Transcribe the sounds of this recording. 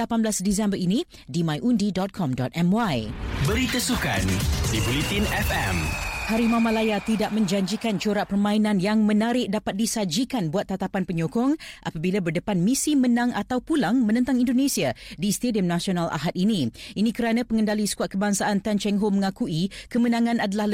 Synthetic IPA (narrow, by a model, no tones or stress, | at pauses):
lapanbəlasdis̬ɛmbəɾinĩ | dimãjʔundidɔt̪̚kʰɔmdɔt̪̚ɛmwajbəɾit̪əsuka̰ndibɾit̪inɛfɛmhaɾimãmãlajat̪idaʔ̚mə̃ɲd͡ʒaɲd͡ʒikant͡ʃoɾaʔpərmãinãnjaŋmənaɾɪʔ̚dapat̪̚disad͡ʒikanbuat̪ːat̪apanpəɲokɔŋʔa̰pabilabərdəpanmisimənãŋat̪awpulaŋmə̃nə̃nt̪aŋindonesiadist̪ediəmnasionalʔa̰ɦat̪̚inĩinĩkəɾanãpəŋəndalisə̥kuat̪̚kəbaŋsaʔant̪ant͡ʃɛŋɦoməŋakuikəmənãŋãnadalah